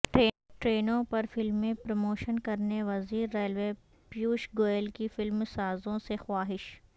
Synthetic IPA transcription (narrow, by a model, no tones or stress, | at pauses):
ʈeː | ʈɾeːnõpɐɾfɪlmːẽpɾɐmoːʃənkɐɾneʋɐziːɾːeːlʋeː | pjuːʃɡoːjlkifɪlmsaːzõsexwaːɦɪʃ